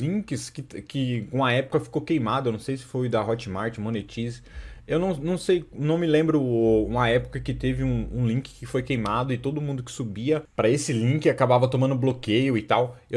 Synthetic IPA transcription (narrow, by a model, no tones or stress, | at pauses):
lĩkɪskɪkɪkõɐɛpʊ̥kɐfi̥kokejmad̪ɐewnɐ̃sejsɪ̥fojd̪ɐɦɔt͡ʃɪmaɾt͡ʃɪmonet͡ʃisewnɐ̃w̃nɐ̃w̃sejnɐ̃w̃mɪlẽmbɾʊũmɐɛpʊ̥kɐkɪt̪evɪũũlĩŋkɪ̥kɪfojkejmad̪ʊɪt̪od̪ʊmũnd̪ʊkɪ̥subiɐpɾɐesɪlĩŋkɪakabavɐt̪õmɐ̃nd̪ʊblokejʊɪt̪awe